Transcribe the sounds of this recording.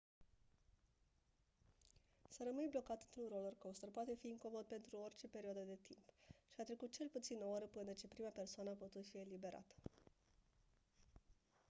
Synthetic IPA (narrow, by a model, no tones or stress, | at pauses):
səɾəmɨnʲblo̞kat̪ɨnt̪ɾunrolorkowst̪ərpoat̪e̞fiiŋko̞mo̞d̪̚pe̞nt̪ɾuo̞rʲt͡ʃe̞pe̞ɾioad̪əd̪e̞t̪ʰimpʃiat̪ɾe̞kut̪̚t͡ʃe̞lput̪sinəoɾəpɨnət͡ʃe̞pɾimape̞rsoanəaput̪ut̪fie̞libe̞ɾa̰t̪ə̥